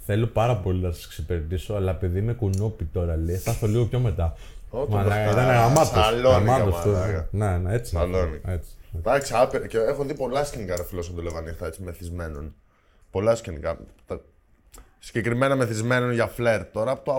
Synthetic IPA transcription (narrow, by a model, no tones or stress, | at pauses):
θe̞lo̞pɐɾɐpo̞linɐsɐ̥sksipeɾet̪iso̞ɐlɐepiðime̞kunopit̪o̞ɾɐlest̪ɐstoliɣo̞pço̞me̞t̪ɐ | otmɐit̪ɐnneɣɾamɐt̪osloɐmmɐt̪ost̪oneneet͡siɐlonet͡si̥d̪ɐksiɐpiɾceexunðipo̞lɐscenikɐɾɐfilosɐnd̪oleɣɐnift̪ɐet͡simeθizme̞non | po̞lɐscenikɐt̪ɐ | siɟekɾime̞nɐme̞θizme̞no̞nʝɐfle̞ɾt̪ːo̞ɾɐːpot̪o